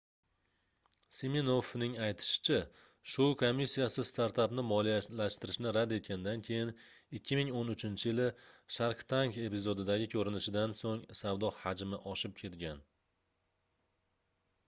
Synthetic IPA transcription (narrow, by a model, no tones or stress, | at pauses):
semenofnɪŋajt̪ʰɪ̥ʃɪ̥t͡ʃʰa | ʃʊkʰomʲːisːijasɪst̪ʰaɾt̪ʰapnɪmɒlijalaʃt̪ɪɾɪʃnɪɾad̪e̞t̪̚ɡʲand̪ankʲʰe̞jɪn | ɪkʲʰːɪmɪŋonʊt͡ʃʰɪnt͡ʃʰɪjɪlɪʃaɾqt̪ʰaŋke̞pɪzod̪ɪd̪aɡʲɪkʲʰɵɾɪnɪʃɪd̪ansoŋsavd̪ɒhad͡ʒmɪʔɒʃɪp̚kʲʰe̞t̪ɡʲan